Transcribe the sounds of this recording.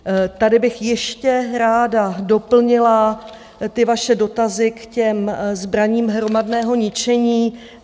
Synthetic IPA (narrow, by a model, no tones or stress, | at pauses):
t̪adɪbɪxjɛʃcɛɾaːdado̞pl̩ɲɪla | t̪ɪvaʃɛdo̞t̪azɪkcɛmzbɾaɲiːmɦɾo̞madnɛːɦo̞ɲɪt͡ʃɛɲiː